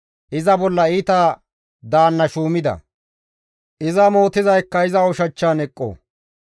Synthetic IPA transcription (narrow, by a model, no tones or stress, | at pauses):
ʔɪzɐbɔlːɐiːt̪aː | d̪aːnːɐʃuːmɪd̪ɐ̰ | ʔɪzɐmo̞ːt̪ɪzɐjkːɐɪzɐɔʃɐt͡ʃːaːnɛkʼːo̰ː